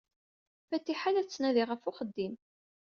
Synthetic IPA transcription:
fæt̪ːiħalæt͡sːnæðiʁəfʊχəd̪ːim

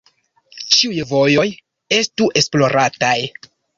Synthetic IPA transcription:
t͡ʃiujvo̞jo̞j | e̞stuʔe̞splo̞ɾʔataj

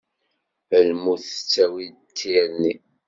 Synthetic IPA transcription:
əlmuθə̥t͡sːæwi | t̪ʰːini

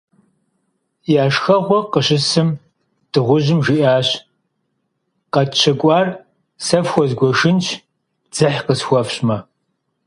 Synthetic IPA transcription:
jaːʃxɐʁʷɔqəɕɪsɨm | d̥ɨʁʷʊʑɪmʒiʔaːɕ | qɐtt͡ʃʰɐkʷʼɑːr | sɐfxʷɔzɡʷɔʂɨnt͡ʃʰ | d͡z̥ɨħqəsxʷɔfɕmɐ

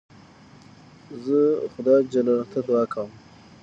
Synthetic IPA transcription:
zəxʊd̪ɑjd͡ʒalɑlat̪ʰad̪uɑkʰawm

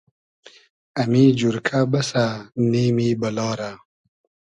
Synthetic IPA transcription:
amid͡ʑuɾkʰabasaniːmibɐlɑːɾa

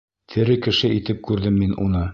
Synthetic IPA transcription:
t̪ʰɘ̆ɾɘkɘ̆ʃɘit̪ɘp̚kʉɾðɘmːinṵnɤ

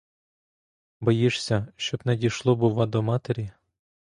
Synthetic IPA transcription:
bɔjiʂsʲɐʃt͡ʃɔbnɛdʲijʃlˠɔbʊʋɑd̪ɔmɑt̪eɾʲi

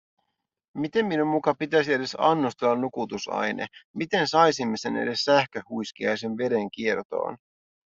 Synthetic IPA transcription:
mit̪e̞mːinummukɑpit̪æsie̞de̞sɑnːust̪e̞lːɑnːukut̪usɑ̰jne̞̰mit̪e̞nsɑjsimːe̞se̞nḛde̞sːæhkøːujsk̟iɑjse̞nʋe̞de̞ŋk̟ie̞rt̪o̰ːn

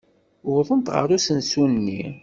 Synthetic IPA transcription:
ʊðˤənt̪ʁə̰ɾˤusənsunnːi

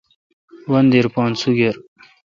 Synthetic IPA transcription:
wɐnd̪eɾpɑ̃ːnt͡sʰuɡeɾ

